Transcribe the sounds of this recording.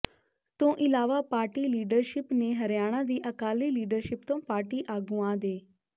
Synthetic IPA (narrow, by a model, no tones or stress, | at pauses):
t̪õːʔɪlaːʋaːpaːɾʈiːliːɖəɾʃɪpneːɦəɾɪjaːɽ̃ãːd̪iːʔəkaːliːliːɖəɾʃɪp̚t̪õːpaːɾʈiːʔaːɡũːãːd̪eː